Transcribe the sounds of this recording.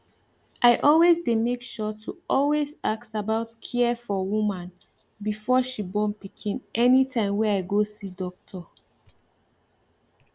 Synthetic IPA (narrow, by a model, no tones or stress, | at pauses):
ʔaɪʔɔlwezdemekʃɔtʰuʔɔlwezaksabaʊtkʰiɛfɔwumãn | bifɔʃibɔ̃npikʰĩnʔɛnitʰãɪ̃mwɛaɪɡosidɔk̚tʰɔ